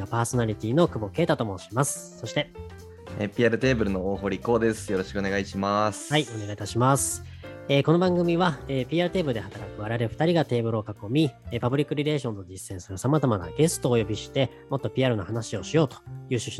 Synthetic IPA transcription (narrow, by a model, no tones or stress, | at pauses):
apaːso̞naɾʲit̪ʲiːno̞kɯ̟bo̞ke̞ːt̪at̪o̞mo̞ɕimasɨ̥ | so̞ɕi̥t̪e̞ | ḛpʲiaɾɯ̟t̪e̞ːbɯ̟ɾɯ̟no̞oːɦo̞ːɾʲiko̞ːd̪e̞sɨ̥jo̞ɾo̞ɕi̥kɯone̞ɡaiɕimasɨ̥aione̞ɡait̪aɕimasɨ̥ | eːko̞no̞bãŋɡɯ̟mʲiβaeːpʲiːaɾɯ̟t̪e̞ːbɯɾɯ̟d̪ehat̪aɾakɯ̟βaɾaɾeɸɯ̟t̪aɾʲiɡat̪e̞ːbɯ̟ɾɯokako̞mʲipabɯ̟ɾʲikːɯ̟ɾʲiɾe̞ːɕõ̞nt̪o̞d͡ʑisːẽ̞ɰ̃sɨɾɯsamazamana̰ɡe̞sɨ̥t̪o̞ːjo̞bʲiɕi̥t̪e̞ | mo̞t̪ːo̞pʲiaɾɯ̟no̞̰hanaɕio̞ɕijo̞ːt̪o̥jɯ̟ːɕɨɕi